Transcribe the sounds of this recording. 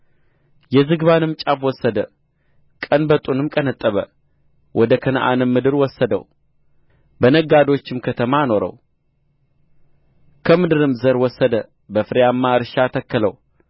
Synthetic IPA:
jɛzɨɡβanɨmt͡ʃʼafwɔsːəd̪ə | kʼənbət̪ʼunɨmkʼənət̪ʼːəβə̰ | wʔɔd̪əkʰənəʔa̰nɨmːɨd̪ɨɾwɔsːəd̪ə̰w | bənəɡad̪o̞t͡ʃːɪmkʰət̪ʰəmano̞ɾə̰w | kʰəmɨd̪ɨɾɨmzəɾwɔsːəd̪ə | bəfɨɾejamːaɨɾɨʃat̪ʰəkːələ̰w

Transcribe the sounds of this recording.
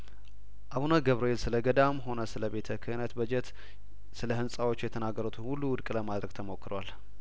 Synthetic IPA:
ʔaβunəɡəβɾoelsɨləɡəd̪amɦo̞nəsɨləbe̞t̪ʰəkʰɨɨnət̪bəd͡ʒɛt̪ | sɨləhɨnsʼawo̞t͡ʃːjɛt̪ʰənaɡːəɾut̪ʰunhulːuwʊd̪kʼləmad̪ɾəɡt̪ʰəmo̞kːɨɾowal

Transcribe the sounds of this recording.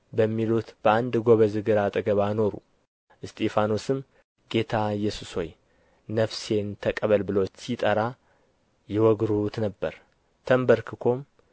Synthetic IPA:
bəmːilut̪b̥əand̪ɡo̞βəzɨɡɨɾat̪ʼɨɡəβano̞ɾṵ | ʔɨst̪ʰʼefanosɨm | ɡe̞t̪ʰajːɛsusho̞j | nəfse̞nt̪ʰəkʼəβəlbɨlot͡ʃːsit̪ʼəɾa | jɛwɔɡɾut̪nəbːəɾ | t̪ʰəmbəɾkʰɨkʰo̞m

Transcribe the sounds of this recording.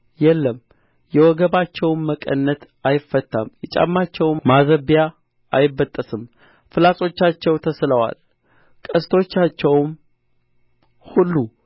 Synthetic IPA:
jɛlːəm | jɛwɔɡəβat͡ʃːɛwmːəkʼə̰nːət̪ | ajɪfːət̪ʰːamjɛt͡ʃʼa̰mːat͡ʃːɛwmazəβija | ʔajɪbːət̪ʼːəsɨm | fɨlasʼo̞t͡ʃːat͡ʃːɛwt̪ʰəsləwa̰l | kʼəst̪ʰot͡ʃːat͡ʃːɛwm | hulːu

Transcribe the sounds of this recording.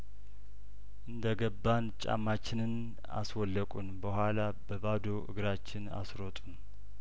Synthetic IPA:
ʔɨnd̪əɡəbːant͡ʃʼa̰mːat͡ʃːɪnɨn | a̰swɔlːəkʼunbəhʷala | bəbad̪oʔɨ̰ɡɾat͡ʃːɪna̰sɾot̪ʼun

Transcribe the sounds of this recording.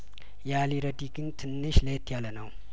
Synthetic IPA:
jaliɾəd̪iɡɨnt̪ʰɨnːɨʃlet̪jalənəw

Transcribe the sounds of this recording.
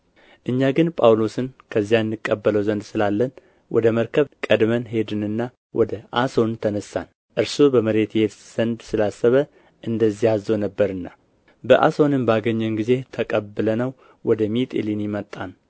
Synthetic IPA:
ʔɨɲːaɡɨnpʼawlo̞sɨnkʰəzːijanːɨkʼːəbːələwzənd̪sɨlalːən | wʔɔ̰d̪əməɾkʰəβkʼəd̪mənɦe̞d̪ɨnɨnːa | wʔɔd̪əʔaso̞nt̪ʰənəsa̰n | ʔɨɾsobəməɾe̞t̪je̞t̪z̥ənd̪sɨlasːəβə | ʔɨnd̪əzːihazːonəbːəɾɨnːa | bəʔa̰so̞nɨmbaɡəɲːɛnɡize̞t̪ʰəkʼəbːɨlənəw | wɔd̪əmit̪ʼḭlinjɪmət̪ʼːan

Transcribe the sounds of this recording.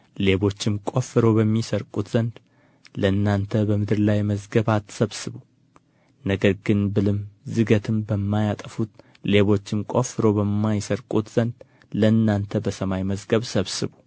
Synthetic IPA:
le̞βo̞t͡ʃːɪmkʼo̞fɨɾo̞bəmːisəɾkʼut̪z̥ənd̪ | ləɨnːant̪ʰəbəmɨd̪ɨɾlajməzɡəβat̪ːsəβsɨβu | nəɡəɾɡɨnbɨlɨmzɨɡət̪ʰɨmbəmːajat̪ʼəfut̪ | le̞βo̞t͡ʃːɪmkʼo̞fɨɾo̞bəmːajsəɾkʼut̪z̥ənd̪ | ləɨnːant̪ʰəbəsəmajməzɡəβsəβsɨβu

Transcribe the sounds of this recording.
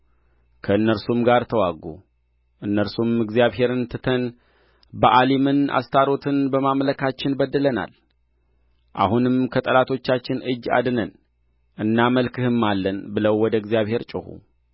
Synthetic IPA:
kʰəɨnːəɾsumɡaɾt̪ʰəwaɡṵ | ʔɨnːəɾsumɨɡzijaβhe̞ɾɨnt̪ʰɨt̪ʰən | bəʔalemɨna̰st̪ʰaɾo̞t̪ʰɨnbəmamləkʰat͡ʃːɪnbəd̪ːɨləna̰l | ʔa̰hunɨmkʰət̪ʼəlat̪ʰo̞t͡ʃːat͡ʃːɪnʔɨd͡ʒːa̰d̪ɨnən | ʔɨnːaməlkʰɨhɨmːalːənbɨləwːɔd̪əɨɡzjaβhe̞ɾt͡ʃʼɪhṵ

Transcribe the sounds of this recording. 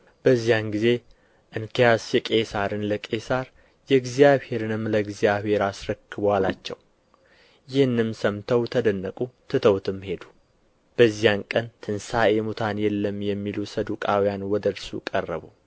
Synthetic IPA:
b̥əzːijanɡize̞ | ʔɨnkʰijasjɛkʼe̞saɾɨnləkʼe̞saɾ | jɛɨɡzijaβhe̞ɾɨnɨmːləɨɡzijaβhe̞ɾasɾəkːɨbwalat͡ʃːɛ̰w | jɪhɨnːɨmsəmt̪ʰəwt̪ʰəd̪ənːəkʼut̪ʰɨt̪ʰəwt̪ʰɨmːhe̞d̪u̥ | b̥əzːijankʼənt̪ʰɨnsaʔe̞mut̪ʰanjɛlːəmjɛmːilusəd̪ukʼawijanwɔd̪əɾsṵkʼərːə̰βu

